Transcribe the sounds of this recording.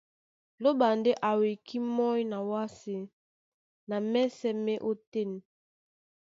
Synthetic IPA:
lo˦ba˨nde˦ʔa˨we˨kʰi˦mɔ˦jna˨wa˦si˨ | na˨mɛ˦sɛ˦mɛ˦ʔo˦te˦˨n˨

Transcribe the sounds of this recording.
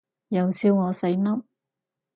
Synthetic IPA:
jɐ˨˧wsiː˧wŋɔː˨˧se˨˥jnɐ˥m

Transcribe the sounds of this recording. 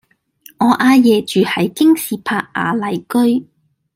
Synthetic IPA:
ŋɔː˨˧ʔaː˧jɛː˨t͡ʃyː˨hɐ˨˥jkɪ˥ŋsiː˨pʰaː˧k̚ʔa̰ː˨˧˥lɐ˨˩jkɵ˥ɥ

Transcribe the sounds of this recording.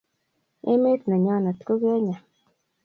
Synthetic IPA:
ḛ˦me˦tna˨ɲa˦˨na˨tko˦ɡe˦ɲa˨

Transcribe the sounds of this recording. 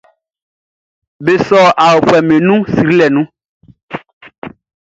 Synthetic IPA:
be˨sɔ˦a˨wo˨ɸɛ˨mẽ˨nũ˦si˨ɾi˦lɛ˨nũ˦

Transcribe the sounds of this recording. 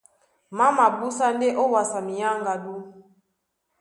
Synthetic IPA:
ma˦ma˨bu˦sa˦nde˦ʔo˦wa˨sa˨mi˨ja˦ŋɡa˨du˦

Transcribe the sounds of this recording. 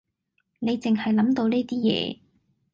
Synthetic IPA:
ne˨˧jt͡sɪ˨ŋɦɐ˨jlɐ˨˥mt̪o˧wneː˥t̪iː˥jɛ̰ː˧

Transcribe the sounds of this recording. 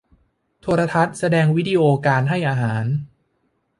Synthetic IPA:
t̪ʰoː˧ɾa˧t̪ʰa˦˥t̪̚sa˧dɛː˧ŋwi˦˥diː˧ʔoː˧kaː˧nɦa˥˩jʔaː˧ɦaː˩˦n

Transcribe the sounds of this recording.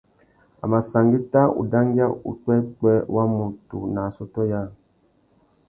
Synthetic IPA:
a̰˨ma˨sa˨ŋɡi˦ta˦ṵ˨da˦ŋ˦ɡi˦a˦ṵ˨k͡pɛ˦k͡pɛ˦wa˦mu˨tṵ˨na˨sɔ˦tɔ˦ja˦˨

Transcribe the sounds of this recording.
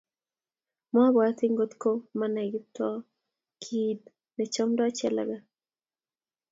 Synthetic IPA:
m˦a˦βwa˨˦t̪i˦ŋɡo˦t̪ko˦ma˦na˨ɡi˦tɔ˦ | kʰi˦d | ne˨t͡ʃɔ˦mda˦t͡ʃɛ˦la̰˨ɡa˦

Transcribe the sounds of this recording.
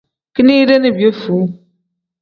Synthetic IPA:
ki˦ni˦de˦ne˨bjo˦fu˨˦

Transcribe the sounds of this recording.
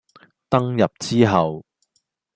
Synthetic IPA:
t̪ɐ˥ŋjɐ˨p̚t͡siː˥ɦɐ˨w

